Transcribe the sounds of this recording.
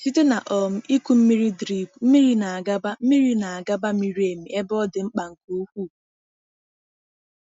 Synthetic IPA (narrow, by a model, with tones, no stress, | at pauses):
si˦te˦na˨ʔɔ˨m̩˦i˦kʷu˨m̩˦mi˦ɾi˦dɾi˨bm̩˦mi˦ɾi˦na˨a˨ɡa˦ba˦m̩˦mi˦ɾi˦na˨a˨ɡa˦ba˦m˦i˦ɾi˦e˨mi˨e˦bɔ˦dɪ˨ŋ͡m̩˦k͡pa˨ŋ̩˨ku˦u˦kʷu˦˨